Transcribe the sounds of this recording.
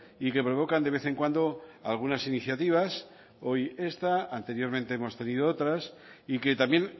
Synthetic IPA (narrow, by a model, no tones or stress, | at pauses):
ike̞pɾo̞β̞o̞kand̪ee̞θẽ̞ŋkwand̪o̞alɣ̞unasiniθjat̪iβ̞as | o̞je̞st̪aant̪e̞ɾjo̞ɾmẽnt̪eemo̞st̪e̞nið̞oot̪ɾas | ike̞t̪amjẽ̞n